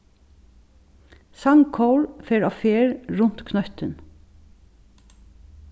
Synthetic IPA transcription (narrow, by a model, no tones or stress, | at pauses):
sɑŋkʰowɹfeːɾɑːfeːɹɹʊnt̪kʰnœht̪ən